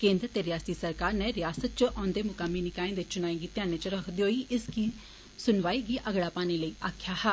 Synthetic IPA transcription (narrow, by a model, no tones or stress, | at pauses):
kẽːnd̪ɾət̪eːɾɪjaːst̪iːsəɾkaːɾneːɾɪjaːsət̪̚t͡ʃəʔɔ̃ːnd̪eːmʊkəmːiːnɪkaːĩːd̪et͡ʃʊnaːĩɡiːt̪jãːneːt͡ʃəɾəkʰd̪iːɦoːiːʔɪskiː | sʊnʋaːiːɡiːʔəɡɽaːpaːneːləiːʔaːkʰjaːhɛː